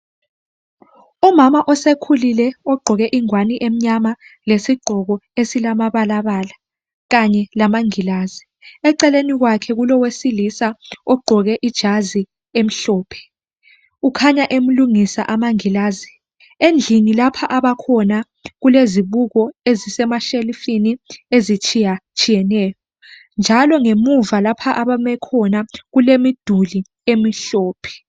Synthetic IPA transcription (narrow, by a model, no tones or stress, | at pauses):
ɔmamaʔɔsekʰulilɛɔɡ͡ǃʱɔɣɛʔiŋwaniʔem̩ɲamalesiɡ͡ǃʱɔk̬ɔesilamaɓalaɓala | kaɲɛlamaŋilaːzi | ɛǀɛlenik̬wakʰɛk̬ulɔwesilisaɔɡ͡ǃʱɔk̬ɛʔid̥ʒ̥ʱazi | em̩ɬɔːpʰɛ̥ | ukʰaɲaʔem̩luŋisa̰ʔamaŋilaːzi | end͡ɮʱinilapʰaʔaɓakʰɔna | ɣuleziɓuk̬ɔezisɛmaʃelifiniezit͡ʃʼʰijat͡ʃʰʼijɛnɛːjɔ | nd͡ʒʱalɔŋemuvalapʰaʔaɓamɛkʰɔnaɣulemid̥ʱuli | emiɬɔːpʰɛ̥